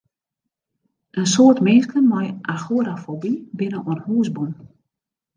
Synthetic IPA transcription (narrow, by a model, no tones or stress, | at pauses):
ʔənsoətmɪnskənmɔjʔaxuəɾafobibɪnəɔənhuəsbun